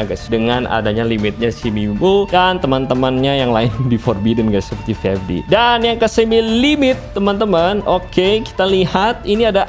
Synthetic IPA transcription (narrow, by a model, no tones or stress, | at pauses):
ɡasdəŋana̰daɲalimɪt̪̚ɲasimibudant̪əmant̪əmanɲajaŋlaɪndifɔrbidənɡasəpərt̪ifɛfdḭdanjaŋkəsəmilimɪt̪ːəmant̪əmanokeki̥t̪alihat̪iniada